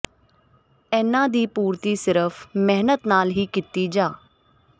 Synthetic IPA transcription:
ɛːnãːd̪iːpuːɾt̪iːsɪɾəpʰmɛɦnət̪naːlɦiːkɪt̪iːd͡ʒaː

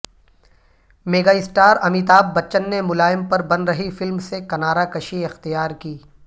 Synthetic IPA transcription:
meːɡaːɪsʈaːɾɐmiːt̪aːb̚ːɐt͡ʃənːemʊlaːɪmpɐɾbɐnɾɐɦifɪlmsekɐnaːɾakɐʃiɪxt̪ijaːɾkiː

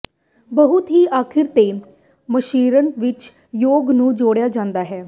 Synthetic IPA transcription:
bəɦʊt̪ɦiːʔaːkʰɪɾt̪eː | məʃiːɾənʋɪt͡ʃ | joːɡnũːd͡ʒoːɽjaːd͡ʒãːnd̪aːɦɛː

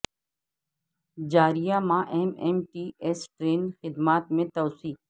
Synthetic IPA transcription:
d͡ʒaːɾijamãʔɛɦmeːmʈiːesʈɾeːnxɪd̪maːt̪mẽt̪ɐːsiːk

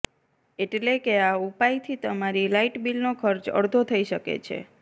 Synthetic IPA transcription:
eʈlekeaupajt̪ʰit̪əmaɾilaiʈbilnokʰəɾt͡ʃə̰ɽd̪ʱot̪ʰəiʃəkḛt͡ʃʰḛ

